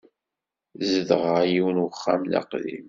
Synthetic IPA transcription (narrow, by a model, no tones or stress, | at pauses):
zəðəʁəʕjiwənwəχːæmlɑ̰qðḭm